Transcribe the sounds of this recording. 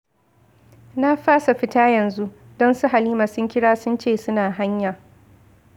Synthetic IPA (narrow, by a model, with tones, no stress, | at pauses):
na˦ɸaː˦sa˨ɸɪ˦taː˦jɐ˨nzu˦ʔ | dɔ˦nsʊ˦ɦa˨liː˦maː˨sʊ˦ŋkʲɪ˦ɽaː˦sʊ˦nt͡ʃeː˦˨sʊ˦naː˨ɦa˦ɲja˨